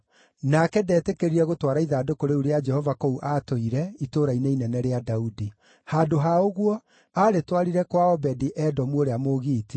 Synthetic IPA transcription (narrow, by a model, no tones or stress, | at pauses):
nakɛdɛːtekeɾiɾɛɣotwaːɾaiðaːdokoɾeuɾead͡ʒɛhɔvakouʔatoiɾɛitoːɾaineinɛnɛɾeadaudi | haːdoɦaoɣwɔ | aːɾetwaɾiɾɛkwaɔbɛdiʔɛdɔmwoɾeamoɣiːti